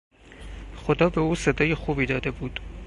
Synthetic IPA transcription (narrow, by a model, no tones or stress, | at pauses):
xod̪ɒːbe̞uːsed̪ɒːjexuːbiːd̪ɒːd̪e̞buːd̪̥